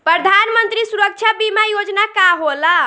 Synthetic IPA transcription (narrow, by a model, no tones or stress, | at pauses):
pɾəd̪ʱanmənt̪ɾisuɾək̚t͡ʃʰabimajod͡ʒnakaɦola